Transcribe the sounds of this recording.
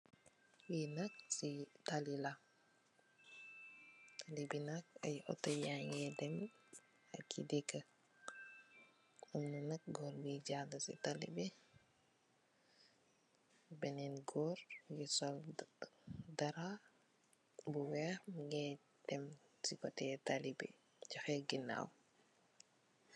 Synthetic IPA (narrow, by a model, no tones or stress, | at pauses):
winak̚sitalila | talibinak̚ɐjɔ̰tːɔjaŋɡɛdɛm | ɐ̰kʰːḭdɛkːə | umnunɐk̚ɡɔɾbiɟadɐsḭtalḭbɛ | bɛnɛnɡɔːɾɡisɔl | dɐɾa | buwɛxmɡɛ | d̥ɛmsikɔtɛtalibḭ | d͡ʒɔxɛɡina̰w